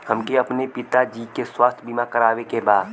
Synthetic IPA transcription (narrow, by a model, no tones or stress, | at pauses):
hɐmkeɐpnepɪt̪ad͡ʒiːkeswaːst̪ʰbimakəɾaːʋekebaːd̪